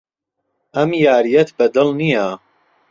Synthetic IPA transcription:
ʔɐmjaːɾijɐt̪bɐd̪ɨlnija

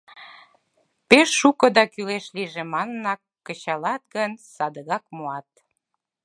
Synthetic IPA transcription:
peʃːukəd̪ɑkyleʃliʒemɑnənɑkːət͡ɕɑlɑt̪̚ɡənsɑd̪əɣɑkmoɑt̪̚

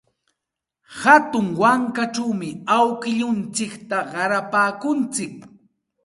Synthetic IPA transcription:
hat̪ʊŋwaŋkaʈ͡ʂawmɪawkɪʎʊnt͡sɪkt̪aɢɑɾapaːkʊnt͡sɪk̚

